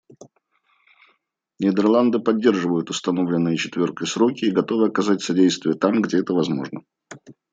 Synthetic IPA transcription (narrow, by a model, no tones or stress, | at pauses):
nʲɪd̪ʲərlˠand̪ɨpɐdʲːe̞rʐɨvəjʊt̪ʊst̪ɐno̞vlʲɪnːɨjət͡ɕɪt̪vʲo̞rkəjsɾo̞kʲɪːɡɐt̪o̞vɨɐkɐzatʲsɐdʲejst̪vʲɪjət̪amɡdʲeɛt̪əvɐzmo̞ʐnə